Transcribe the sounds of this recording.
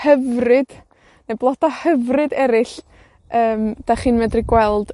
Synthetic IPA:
həvrɨd̥ | neblˠɔdɔhəvrɨdɛɾɪɬ | əːmd̥aχiːnmɛdrɪɡwɛlˠd̥

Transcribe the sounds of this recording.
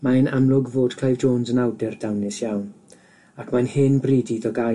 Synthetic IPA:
maənamlˠʊɡvoːd̥kʰl̥ajvd͡ʒoːnsənawdɛrd̥awnɪsjawn | akʰmanhɪnbriːdidɔɡa

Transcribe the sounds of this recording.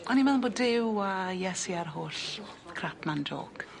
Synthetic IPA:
ɔnimɛðˠənboːdɪwajɛsiarɦoːɬkʰrapʰmando̰ːɡ̥

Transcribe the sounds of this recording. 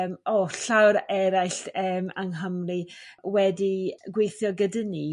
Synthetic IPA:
mɔɬawɾɛɾajɬəːmaŋɦəmriwɛdiɡwejθjɔɡədəni

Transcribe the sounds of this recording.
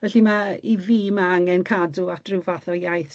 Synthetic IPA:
vɛɬimaiviːmaaŋɛnkʰaduatrɪvaθɔjajθ

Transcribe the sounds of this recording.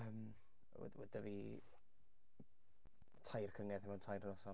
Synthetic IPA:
əm | ɛ̰wɛ̰dəvi | tʰajrkʰəŋɛðɪmɛwntʰajɾənɔsɔ

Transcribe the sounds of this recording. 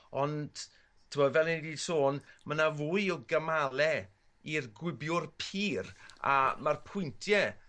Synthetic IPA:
ɔnd̥ | tʰəmɔdvɛlˠɪnidiːsoːnmənavuːɨɪlɡəmalˠɛ | irɡwɪbjʊrpʰiːɾa̰marpʰʊjntʰjɛ

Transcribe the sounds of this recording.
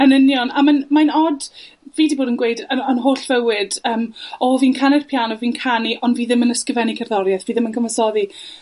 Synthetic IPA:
ənənjɔnamanmajnɔd | viːdiboːdənɡwejdəənɦoːɬv̥əwɪdəːmɔviːnkʰanɪrpʰjanɔviːnkʰaniʔɔndviːðɪmənəskəvɛnikʰərðɔɾjɛθviːðɪmənkʰəməsɔði

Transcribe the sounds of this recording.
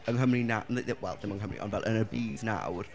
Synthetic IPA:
ənɦəmrinanðəðɪwɛlˠdðɪmənɦəmrḭʔɔ̰nvɛlˠʔənəbiːdna̰wr

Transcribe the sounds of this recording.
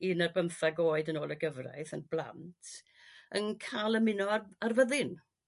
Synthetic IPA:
inarbəmθaɡoːɨdənoːlˠəɡəvra̰jθənblˠa̰ntʰ | ənkʰalˠəmɪnɔaarvəðɪn

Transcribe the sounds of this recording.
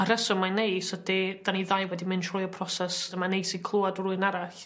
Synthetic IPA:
aɾəsɔmanejsədid̥aniðajwɛdimɪnʃʰrɔjɔpʰrɔsɛsəmanejsikʰlˠuadruɨnaɾaɬ

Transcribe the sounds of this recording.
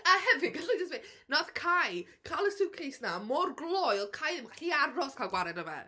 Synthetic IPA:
ahɛvɪɡəɬad͡ʒəsmi | nɔθkʰaj | kʰalˠəsɪwkʰejsnamɔrɡlˠɔjɔkʰajðɪmɬiaɾɔskʰalˠɡwaɾɛdəvɛ̰

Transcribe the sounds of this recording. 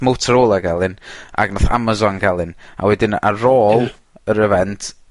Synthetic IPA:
mowtʰəɾoːlˠaɡɛlˠɨnʔa̰ɡnɔθa̰mazɔnɡɛlˠɨna̰wɛdɪna̰roːlˠ | əɾəvɛntʰ

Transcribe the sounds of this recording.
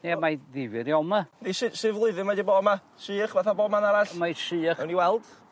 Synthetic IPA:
nemajðɪvɨɾiɔmaniʃɪʃɨːvlˠʊɨðɨmadibɔːma | ʃiːəχvaθabɔːmanaɾaɬmajʃiːχɛwniwɛlˠd̥

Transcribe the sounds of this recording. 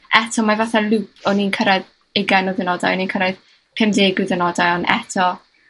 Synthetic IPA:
ʔɛtʰɔmavaθalupʰɔniːnkʰəɾɛð | ɪɡajnɔðənɔda̰jɔniːnkʰəɾɛð̥ | pʰɛmdeːɡɨðənɔdajɔnʔɛ̰tʰɔ

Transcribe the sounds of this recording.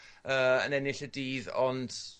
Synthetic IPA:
əːə̰nɛnɪɬədiːðɔnd

